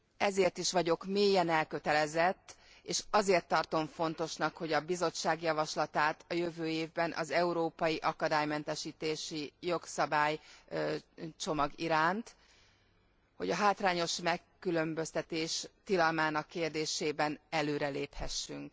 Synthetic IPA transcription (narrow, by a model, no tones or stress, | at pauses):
ɛzeːrt̪iʃʋɒɟo̞kmeːjɛnɛlkø̞t̪ɛlɛzɛt̪ː | eːʃɒzeːrt̪ːɒrt̪o̞ɱfo̞nt̪o̞ʃnɒkho̞ɟɒbizo̞t͡ʃːaːɡjɒvɒʃlɒt̪aːt̪ɒjøvøːeːvbɛnʔɒ̰zɛuɾoːpɒjiʔɒkɒd̪aːjmɛnt̪ɛʃiːt̪eːʃijo̞ksɒbaːj | t͡ʃo̞mɒɡiɾaːnt̪ | ho̞̰ɟɒɦaːt̪raːɲo̞ʃmɛkːylø̞mbø̞st̪ɛt̪eːʃt̪ilɒlmaːnɒkːeːrd̪eːʃeːbɛnɛløːɾɛleːphɛʃːyŋk